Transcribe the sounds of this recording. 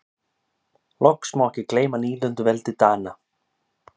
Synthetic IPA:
lʔɔhksmawɛhcɪkleːjmaniːlœnt̪ʏvɛlt̪ɪt̪aːna

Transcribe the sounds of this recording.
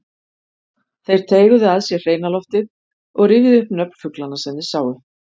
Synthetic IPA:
θejɾ̥t̪ʰeːjɣʏðɪaðsjɛr̥eːjnalɔft̪ɪð | ɔɣrɪːvɪðʏhpnœpn̥fʏklanːasɛnːɪsaːwʏ

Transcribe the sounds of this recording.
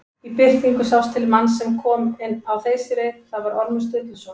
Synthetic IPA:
ipɪr̥k̪niŋkʏsawst̪ʰɪlmanːsɛmkʰɔːmɪnːawθeːjsɪɾɪθaðvaɾɔɾmʏst̪ʏːt̪ɪsɔː

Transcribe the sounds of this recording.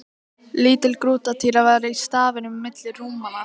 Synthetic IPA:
liːt̪ɪlkɾuːt̪at̪ʰiːɾavaɾaist̪aːvɪnʏmmːɪt̪lɪruːmana

